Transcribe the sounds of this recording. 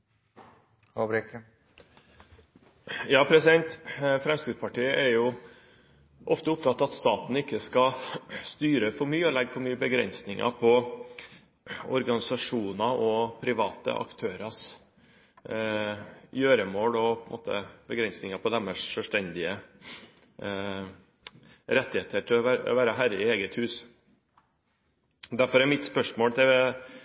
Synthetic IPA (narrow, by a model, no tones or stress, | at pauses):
hobɾɛk | jɑːpʰɾɛsɪd̪ɛnt̪fɾɛmskɾɪd̪spɑʈiːəʔɛɾjʊ | ʔɔft̪əʊp̚t̪ʰɑt̪ːɑɑt̪st̪ɑːt̪n̩ɪkːəskɑst̪yːɾəfɔɾmyːəɔlɛɡːfɔɾmyːəbəɡɾɛ̰nsnɪŋʔɑ̰pʰɔ | ɔ̰ɾɡɑnɪsɑʂuːnɑɔpʰɾɪʋɑːt̪ə̰ʔɑ̰kt̪ʰøːɾɑs | jøːɾəmoːlɔppʰɔnmʔo̰ːt̪ə̰bəɡɾɛnsnɪŋɑpʰɔd̪ɛmːəʂʂœʂʈɛnd̪ɪə | ɾɛt̪ːɪheːt̪ʰəʈ̪ʰɪlɔʋæ̰ʋæːɾəɦæɾəɪeːɡət̪hʉːs | d̪æɾfɔɾɛɾmɪt̪spœʂmoːlt̪ʰɛ